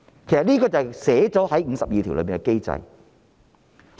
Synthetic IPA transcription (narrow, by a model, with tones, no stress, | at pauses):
kʰe˨˩sɐ˨t̚liː˥kɔː˧t͡sɐ˨sɛː˨˥t͡sɔː˨˥hɐ˨˥jŋ̩ː˨˧sɐ˨p̚jiː˨t̪ʰi˨˩wlə˨˧˥pːiː˨˩kɛ˧ke˥jt͡sɐ̰˧j